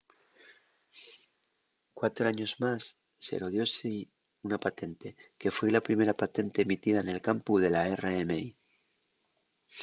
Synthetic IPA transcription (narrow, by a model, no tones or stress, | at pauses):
kwat̪ɾoaɲo̞zmasː | e̞̰ɾoð̞jo̞si | unapat̪e̞nt̪e̞ke̞fwelapɾime̞ɾapat̪e̞nt̪e̞ːmit̪iðaene̞lkampuðe̞laereemei